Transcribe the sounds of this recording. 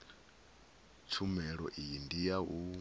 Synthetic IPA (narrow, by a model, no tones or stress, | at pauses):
t͡ʃʰumɛɺɔʔiindijaɦu